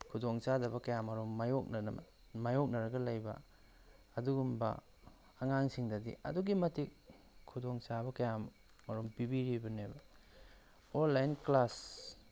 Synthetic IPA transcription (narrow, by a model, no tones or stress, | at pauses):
kʰudoŋt͡ʃadɐbɐkɐjamɐɾomːajok̚ɐ | majok̚nɐɾɐɡɐlɐjbɐ̰ | ɐduɡumbɐ̰ | ɐŋaŋsiŋdɐdḭʔɐ̰duɡimɐtik̚ | kʰudoŋt͡ʃabɐkɐjamː | ɐɾompibiɾibɐnebɐ | olːajnklas